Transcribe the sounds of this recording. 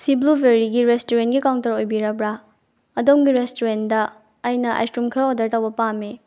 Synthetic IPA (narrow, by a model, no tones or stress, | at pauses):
siblubʱeɾiɡiɾestoɾentɡikawntɐɾojbiɾɐbɾa | ɐdomɡiɾestoɾendɐː | jnɐʔa̰jstumkʰɐɾaodɐɾtɐwbɐpame